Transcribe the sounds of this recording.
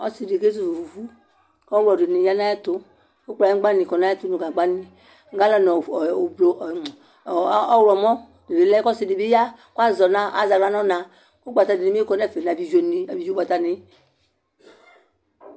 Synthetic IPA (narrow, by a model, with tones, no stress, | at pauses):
ɔ˦si˨de˨ɡe˦z̬u˦˨vu˨vu˨vu˦ | kɔ˦wɔ˨de˨ni˨ja˦nã˦ja˦t̪o˦ | ko˦k͡pla˨ĩ˦ɡ͡ba˦nĩ˨kɔ˨na˦a˦t̪u˦nu˨ɡa˨ɡ͡ba˦nĩ˨ | ŋ˦ɡa˦lɔ˦nɔ˨blo˨˦ | ɔ˦wlɔ˨mɔ˦ | de˨ɾe˨lɛ˦kɔ˦si˨di˨bi˦ja˦ka˦zɔ˨nã˦a̰˦˨za˨˦a˦nɔ˦nã˨ | ko˦ɡ͡ba˨ta˨ni˨i˨m˦kɔ˦nɛ˦˨fe˨na˨bi˨ʒo˨ni˨a˨bi˨o˦ɡ͡ba˨t̪a˨nɪ˨